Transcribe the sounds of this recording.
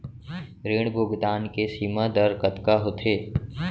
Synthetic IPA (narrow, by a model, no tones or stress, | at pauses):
ɾeːɽ̃bʱʊɡd̪aːnkesiːmad̪əɾkət̪kaɦot̪ʰeː